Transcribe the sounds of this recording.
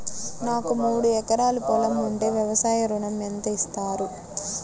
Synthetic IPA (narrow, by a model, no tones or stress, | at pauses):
naːkumuːɽuɛkɐɾaːlupɔlɐmːuɳʈe̞ːʋjɐʋɐsaːjɐɾuɳɐment̪ɐist̪aːɾu